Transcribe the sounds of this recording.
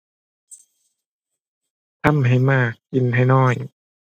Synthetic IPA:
t̪ʰa˧˥˨mɦa˧˩jmaː˥˩k̚ːi˧˦nha˧˥˩jnɔː˧˥˩j

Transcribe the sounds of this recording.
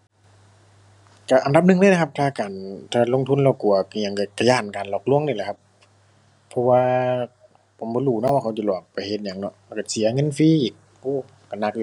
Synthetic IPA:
ka˧˩ʔa˨nda˧˦p̚nɯ˧ŋləː˧˥˨la˧kʰa˦˧p̚t̪ʰaː˧kaː˨˩nt̪ʰaː˧˩lo˧˥˨ŋt̪ʰu˧˥˨nla˧˩wku˧˨˩ɐ˧˩ɲa˧˩ŋka˧˩ka˧˩jaː˧˩n˨kaː˨˩nlɔː˧˩k̚lu˧˥˨əŋni˧˩la˧˦˩kʰa˧p̚ | pʰːɔ˧waː˧ | pʰo˨˦mbɔː˧˦duː˧˩˨nɔ˧˥waː˧kʰa˧wt͡ɕa˧˩lɔː˨˩k̚pa˨˩jhe˧˦t̪̚ɲa˧˩ŋnɔ̰˧˥ʔlka˧˩si˨˦ɐŋɤ˧˥˨nfiː˧˨˩ | uː˧˩ | ka˧˩na˧˩k̚l

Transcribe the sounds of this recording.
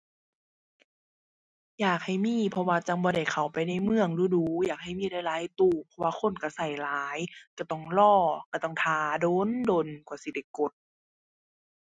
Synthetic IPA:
jaː˨˩k̚ha˨˩jmiː˧˥˨pʰɔ˧waː˧t͡ɕa˧ŋbɔː˧ɾa˧˩jkʰa˨˩wpa˨jna˧˩jmɯ˧əŋduː˧˦duː˧˦jaː˨˩k̚ha˨˩jmiː˧˥˨da˧˩jlaː˨˦jt̪uː˧˩pʰɔ˧waː˧xʰo˧˥˨nka˧˩sa˧˩jlaː˨˦jka˧˩t̪ɔ˧˩ŋlɔː˧˩ka˧˩t̪ɔ˧˩ŋt̪ʰaː˨˦doː˧˥˨ndo˧˨nkwsi˧˦da˧˩jko˧˦t̪̚

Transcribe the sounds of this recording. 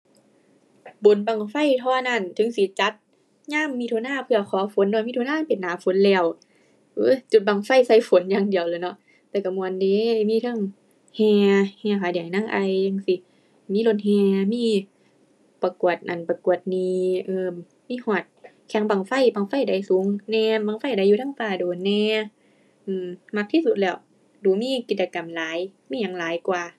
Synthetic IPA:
bo˨˦nba˨˩ŋfa˧˥˨jt̪ʰɔː˧na˧˩˨nt̪ʰɯ˨˦ŋsi˧˦t͡ɕa˧˦t̪̚ | ɲaː˧˥˨mːiː˧t̪ʰu˧˨naː˧˥˨pʰɯ˧ɐkʰɔː˨˦fo˨˦ndɔ˧˨miː˧˥t̪ʰːnaː˧˥˨npe˨nːaː˨˦fo˨˦nlɛː˧˩˨w | ʔɯː˧˥˨t͡ɕu˧˩t̪̚baː˨˩˨ŋfa˧˩˨jsa˧˩jfo˨˦njaː˧˥˨ŋdi˨əwlɤː˧˦nɔ˧˦ʔ | t̪ɛː˧˩ka˧˩mu˧˨ə˨ndeː˧˦˧miː˧˥˨t̪ʰɤ˧˥˨ŋ | hɛː˧hɛː˧˩kʰaː˨˩˦diː˨jnaː˧˨ŋʔa˧jɲa˧˨ŋsi˧˦ | miː˧˥˨lo˧˩n̚hɛː˧˩miː˧˥˨ | pa˧˩ku˨˩ət̪̚ʔa˨˩npa˧ku˨˩ət̪̚niː˧˩ʔɤː˧ | miː˧˥˨hɔː˧˩t̪̚ | kʰɛ˨˧˦ŋbaː˨˩ŋfa˧˩˨jbaː˧˩ŋfa˧˥˨jda˧˩jsuː˨˦ŋnɛː˧mbaː˧˨ŋfa˧˥˩jda˧˨jːuː˧t̪ʰaː˧˥˨ŋfaː˧˩doː˨˦nɛː˧ | ʔɯː˧˩mma˧k̚t̪ʰiː˧˥˨su˧t̪̚lɛː˧˩w | duː˨˦miː˧˥˨ki˧˦t̪̚t͡ɕa˧ka˨˩˨mlaː˨˦jmiː˧˥˨ɲa˨˧˩ŋlaː˨˦jkwaː˨˩

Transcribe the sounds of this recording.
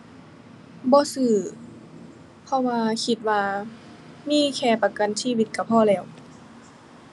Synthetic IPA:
bɔː˧˦sɯː˧˩ | pʰɔ˧waː˧kʰi˧˩t̪̚waː˧ | miː˧˥˨kʰɛː˧˩pa˧ka˧˨nsiː˧˥˨wi˧t̪̚ka˧˩pʰɔː˧˩˨lɛː˧˩˨w

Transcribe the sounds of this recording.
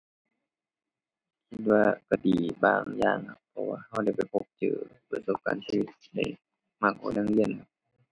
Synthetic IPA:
kʰi˧t̪̚waː˧ka˧˩diː˨˩baː˧˩ŋjaː˧˩ŋha˧pʰɔ˧wa̰ː˧ha˧˩wda˧˩jpa˨˩jpʰo˧˩k̚t͡ɕɤ̰ː˧˩pa˧˩so˧p̚ka̰ː˨nsiː˧˨wi˧˩t̪̚da̰˧˩ | ma˧˩k̚ʔa̰˨˧˩na˧˥˨ŋli˧˩ə˨nkʰa˧p̚

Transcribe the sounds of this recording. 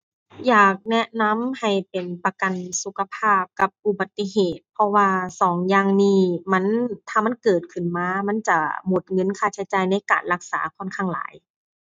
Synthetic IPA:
jaː˨˩k̚nɛ˧˥ʔna˧˥mha˨˩jpe˨˩npa˧ka˨nsu˧˦kʰa˧pʰaː˥˩p̚ka˧p̚ʔu˧ba˨˩t̪ːi˧˥heː˨˩t̪̚pʰɔ˧waː˧sɔː˨˩˦ŋjaː˧ŋniː˧˩ma˧˥˨nt̪ʰaː˧˩ma˧˥˨nkɤː˨˩t̪̚kʰɯ˧˩nmaː˧˥ma˧˥˨nt͡ɕa˧˩mo˧˦t̪̚ŋɤ˧˥˨nkʰaː˧˩t͡ɕʰa˧˦t͡ɕaː˨jna˧˥jkaː˨˩nla˧˩k̚sa̰ː˩˦kʰɔ˧˥˨nkʰa˧˩ŋla̰ː˨˦j

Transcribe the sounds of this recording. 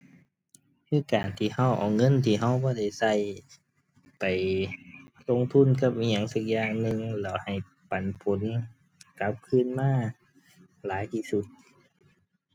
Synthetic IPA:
kiː˧˥˨kaː˨˩nt̪ʰiː˧˩ha˧˩wʔɔ̰ː˨˩wŋɤ˧˥˨nt̪ʰiː˧˩ɦa˧˩˨wbɔː˧˦da˧˩jsa˧˩j | pa˨˩j | lo˧˨ŋt̪ʰu˧˥˨nka˧˩p̚ːɲa˧˨ŋsa˧˩k̚jaː˧˩ŋnɯ˧ŋlɛː˧˩wha˨˩j | pa˨˩npʰo˨˦n˧ | ka˧˦˥p̚kʰɯː˧˥˨nmaː˧˥˩ | laː˨˦jt̪ʰiː˧˩su˧˦t̪̚

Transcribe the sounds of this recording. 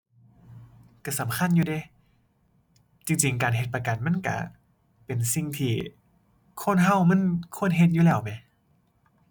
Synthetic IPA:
ka˧˩sa˨˦mkʰa˧˥˨njuː˧de˧˩˦ | t͡ɕi˧ŋt͡ɕi˨˩ŋkaː˨nɦe˧˦t̪̚pa˧ka˨˩nma˧˥˨nka̰˧˩ | pe˨˩nsi˧ŋt̪ʰiː˧˩ | kʰo˧˥˨nɦa˧˥˨wma˧˥˨nkʰu˧˩ə˨nɦe˧t̪̚juː˧lɛː˧˩wma˧˦

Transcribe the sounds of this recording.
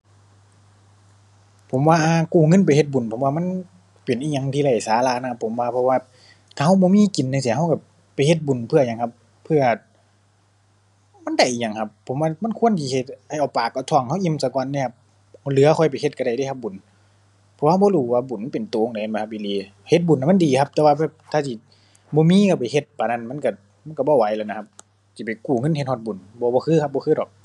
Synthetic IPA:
pʰo˨˦mwaː˧ʔaː˧kuː˧˩ŋɤ˧˥˨np̬a˨jhe˧t̪̚bu˨˩npʰo˨˦mwaː˧ma˧˥˨n | pe˨˩nʔiː˧ɲa˧ŋt̪ʰiː˧la˧˩jsaː˨˦la˧˨na˧kʰa˧pʰːo˨˦mwaː˧pʰɔ˧waː˧ | t̪ʰaː˧ha˧˩wbɔː˧˦miː˧˥˨ki˨˦nːa˧˨si˧˨˦ɦa˧˨wka˧˩ | pa˨˩jhe˧t̪̚bu˨˩˨npʰɯ˧˩˨ɲa˧˨ŋkʰa˧p̚ | pʰɯ˧˨ɐ˨ | ma˧˥˨nda˧˩jʔiː˧˨ɲa˧˨ŋkʰa˧pʰːo˨˦mwaː˧ma˧˥˨nkʰu˧˥˨ə˨nk̪ʰiː˧˩he˧˩t̪̚ha˧˨jʔa˨˩paː˨˩kːa˧˩t̪ʰɔ˧˩˨ŋha˧˥˩wʔi˧˨msa˧kɔː˧˨nːaː˧˨kʰp̚ | hlɯ˨˧˦ɐ˦kʰɔ˧˩jpa˨jhe˧t̪̚ka˧ɾa˨˩jda˧˨jha˧p̚bu˨˩nʰ | ɔː˧ha˧bɔː˧luː˧˩waː˧bu˨˩˦npe˨nt̪oː˨˧ŋda˨ha˧˨ma˧˩ka˧p̚ʔiː˧˨liː˨ | he˧t̪̚bu˨na˧˨ma˧˥˨ndiː˨kʰa˧p̚t̪ɛ˧waː˧bɛː˧˩p̚t̪ʰaː˧t̪ʰi˧˩ | bɔː˧˦miː˧˥˨ka˧˩pa˨˩jhe˧t̪̚paː˨na˧˨nma˧˥˨nka˧˩ | ma˧˥˨nka˧˩bɔː˧˦˨wa˨˦jlɛ˧˩na˧kʰa˧p̚ | si˧˩pa˨jkuː˧˩ŋɤ˧˥˨nht̪̚hɔ˧t̪̚bu˨˩nbɔː˧˦bɔː˧kʰɯː˧˥kʰp̚bɔː˧kʰɯː˧˥dɔː˨˩k̚

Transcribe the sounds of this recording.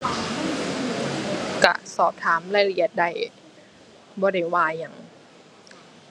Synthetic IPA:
ka̰˧˩sɔː˨˩p̚t̪ʰaː˩˦mla˧˩ɾi˧˩ə˦t̪̚da˧˩j | bɔː˧˦da˥˩jwaː˧jːa˨˩ŋ

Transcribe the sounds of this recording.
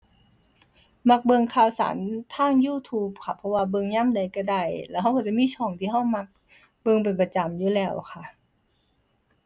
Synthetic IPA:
ma˧k̚bɤ˧ŋkʰaː˧˨wsa̰ː˩˦nt̪ʰaː˧˥˩ŋjuː˧˩t̪ʰuː˧˥p̚kʰa˧˩pʰɔ˧waː˧bɤ˧ŋɲaː˧˥˨mda˨˩jka˧˩da˧˩jlɛː˧˨wɦa˧˥˨kɔ˧˩t͡ɕa˧˥˨miː˧˥˨t͡ɕʰɔː˧˩ŋt̪ʰiː˧ɦa˧˥˩wma˧˥k̚ | bɤ˧ŋp̬a˨˩npa˧t͡ɕa˨˩mjuː˧˩lɛː˧˩wkʰa˧˩ʔ

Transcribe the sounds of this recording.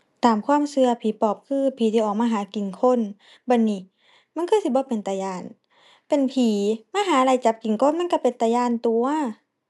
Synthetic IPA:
t̪aː˨˩mkʰwaː˧˥˨msɯ˧ɐpʰiː˨˦pɔː˨˩p̚kʰɯː˧˥˨pʰiː˨˦t̪ʰiː˧˨ʔɔː˨˩k̚maː˧ɦaː˨˩˦ki˨˩nkʰo˧˥˨n | ba˧˨nːiː˧˩ | ma˧˥˨nkʰɤ˧˥˨si˧bɔː˧˦pe˨nt̪a˨˧˩jaː˧˩˨n | pe˨npʰiː˨˦maː˧˥˨ɦaː˨˦˧la˧˩jt͡ɕa˨˧˦p̚ki˨˩ŋkʰo˧˥˨nma˧˥˨ka˧˩˨pe˨nt̪a˨˧jaː˧˨nt̪u˨˧˩ɐ

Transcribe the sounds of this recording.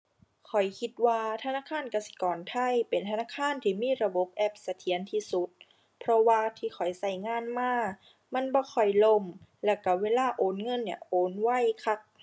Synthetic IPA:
kʰɔ˨˩jkʰi˧˦t̪̚waː˧t̪ʰa˧naː˧˥˨kʰaː˧˥˨nka˧˩si̥˧kɔː˨˩nt̪ʰa˧˥˩jpe˨˩nt̪ʰa˧naː˧˥˨kʰaː˧˥˨nt̪ʰiː˧˩miː˧˥˨ɾa˧bo˧˦p̚ʔɛ˧˩p̚sa˧t̪ʰi˨˦ənt̪ʰiː˧˩su˧˦t̪̚ | pʰɾɔ˧waː˧t̪ʰiː˧˩xʰɔ˨˩jsa˧˩jŋaː˧˥˨nmaː˧˥˩ | ma˧˥˨nbɔː˧˦kʰɔ˨˩jlo˧˨mlɛː˧˩wka˧˩weː˧˥˨laː˧˩ʔoː˨˦nŋɤ˧˨nːi˧˩ɐʔoː˨˦nwa˧˥˨jkʰa˧˩k̚

